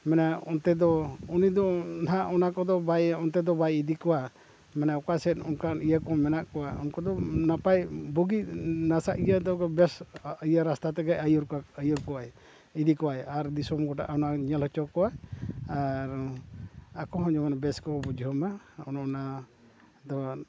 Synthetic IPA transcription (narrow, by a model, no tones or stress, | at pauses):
mɛnaɔnt̪ɛd̪ɔunid̪ɔnaɔnakɔd̪ɔbajɔnt̪ɛd̪ɔbajid̪ikɔwa | mɛnaɔkasɛt̪ɔ̰nkaijəkɔmɛnaʔkɔwaɔ̰nkɔd̪ɔnapajbuɡit̪̚nasaʔijəd̪ɔɡɔbɛsijəɾast̪at̪ɛɡaʔajuɾəjɔɾkɔa | id̪ikɔwajaɾd̪isɔmɡɔʈa̰ʔɔnaɲɛlhɔt͡ʃɔkɔwaː | ɾ | akɔɦɔ̃d͡ʒɔmanbɛskɔbud͡ʒiɦɔma | ɔnna | d̪ɔ